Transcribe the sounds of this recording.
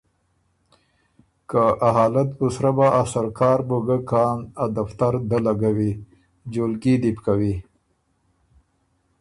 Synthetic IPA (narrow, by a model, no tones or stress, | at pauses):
kaaɦɑːlat̪̚ʊsɾabaʔasaɾkɑːɾboɡakɑnad̪aft̪aɾd̪alaɡawi | d͡ʒolɡid̪ipkawi